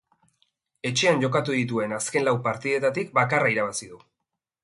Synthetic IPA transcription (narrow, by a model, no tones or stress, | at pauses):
e̞t͡ʃe̞anʝo̞kat̪uðit̪̬ue̞naske̞nlawpaɾt̪ið̞e̞t̪at̪ikbakaraiɾaβ̞asiðu